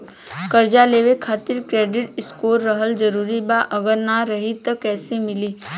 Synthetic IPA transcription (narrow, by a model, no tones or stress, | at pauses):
kəɾd͡ʒaleːʋekʰaːt̪ɪɾkɾeːɖɪʈɪskoːɾːəɦəld͡ʒəɾuːɾibaʔəɡəɾnaɾəɦit̪ɐkɛːsemɪliː